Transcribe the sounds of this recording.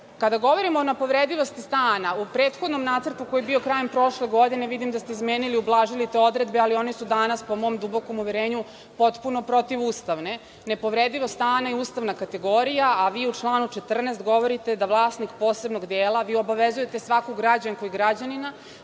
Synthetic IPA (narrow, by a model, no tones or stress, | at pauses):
kad̪aɡo̞ʋo̞ɾimoːnepo̞ʋɾed̪iʋo̞st̪ist̪aːnaupɾeːt̪xo̞d̪no̞mnaːt̪srt̪uko̞jebio̞kɾaːje̞mpɾo̞ʃle̞ɡo̞d̪ine̞ʋid̪imd̪ast̪eizmeːniliublˠaːʒilit̪e̞o̞d̪ɾe̞d̪̚bealio̞nisud̪anaspo̞mo̞ːmd̪ubo̞ko̞muʋeɾeːɲu | po̞t̪puno̞pɾo̞t̪iʋuːst̪aʋne̞ | ne̞po̞ʋɾed̪iʋost̪aːnaiuːst̪aʋnakat̪e̞ɡo̞ɾijaaʋiːut͡ʂlˠaːnut͡ʃet̪r̩nest̪ɡo̞ʋo̞ɾit̪e̞d̪aʋlˠaːsnikpo̞ːse̞bno̞ɡd̪eːlˠaʋiːo̞baʋezuje̞t̪esʋakoɡɾad͡ʑaŋko̞jiɡɾad͡ʑanina